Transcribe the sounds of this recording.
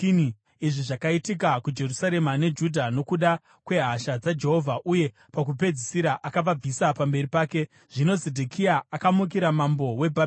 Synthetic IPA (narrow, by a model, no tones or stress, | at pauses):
ni | iʐiʐakaitik̬akud͡ʒe̞rusaɾe̞mane̞d͡ʒudʱano̞kuɗa | kwe̞ɦaʃad͡zad͡ʒe̞ɦo̞vʱaʔuje̞ | pak̬up̬e̞d͡zisiɾaʔakaʋab͡visapambe̞ɾipaːke̞ | ʐ̥ino̞zedʱekʰiaːkamuk̬iɾamambo̞we̞bʱa